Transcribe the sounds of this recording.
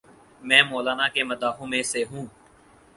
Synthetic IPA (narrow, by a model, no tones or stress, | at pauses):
mɛ̃ːmoːlaːnaːkeməd̪aːɦõːmẽseɦũː